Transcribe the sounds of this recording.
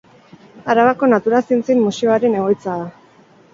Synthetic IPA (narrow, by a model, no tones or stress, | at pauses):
aɾaβako̞nat̪uɾasint͡sinmusio̞aɾe̞ne̞ɣo̞jt͡saa